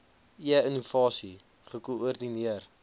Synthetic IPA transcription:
ʔiəənuvɑːsi | χəkuurdiniər

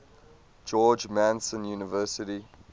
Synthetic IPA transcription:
d͡ʒɔːd͡ʒmæ̃nsə̃njuːnəvɜːˑsɪti

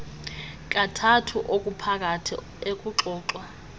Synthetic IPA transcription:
kʼatʰatʰuʔokʼupʰak̬ʼatʰḭ | ekʼuǁɔːǁwa

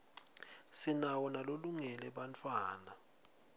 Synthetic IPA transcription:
sinawɔnaloluŋɛlɛɓant͡fʰʼwaːna

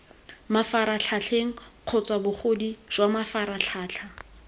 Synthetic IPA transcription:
mafaɾaɬʰaɬʰeŋ̩q͡χʰɔt͡sʼwabʊχodiʒ̥wamafaɾaɬʰaːt͡ɬʰa

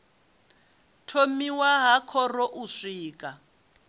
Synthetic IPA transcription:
tʰomiwaɦakʰɔrɔʔuʂiːkʼa

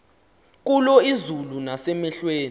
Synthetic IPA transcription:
k̬ulɔizulunasɛmɛɬweːn

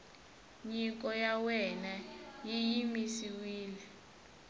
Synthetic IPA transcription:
ɲik̬ʼɔjawɛnajijimisiwiːlɛ

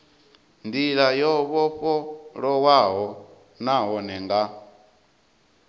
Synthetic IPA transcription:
ndiɺajɔβɔɸɔɺɔwaɦɔ | naɦɔnɛŋɡa

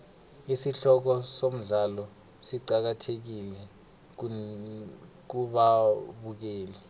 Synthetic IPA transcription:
isiɬɔk̬ɔsom̩ɮalɔ | siǃak̬atʰek̬ilɛ | k̬uɓaɓuk̬eːli

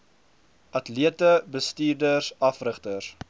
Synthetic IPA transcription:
ʔɐtliətəbəstiːrdərsɐfrəχtəs

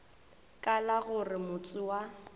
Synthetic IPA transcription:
kʼalaɣʊrɪmʊt͡sʼʊwa

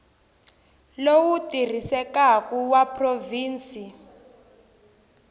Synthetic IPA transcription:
lowutir̤isɛkakuwapʰʼroviːnt͡si

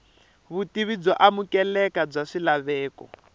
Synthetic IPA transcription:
βutiβid͡zɔʔamukɛlɛkab͡ʐaʂilaβɛːkɔ̰

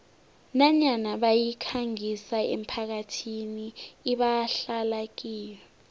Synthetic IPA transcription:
naɲanaɓajikʰaŋisaḛm̩pʰak̬atʰiniːɓaɬalak̬iːjɛ

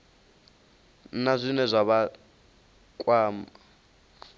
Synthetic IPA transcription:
nazʷinɛzʷaβa | kʼwaːma

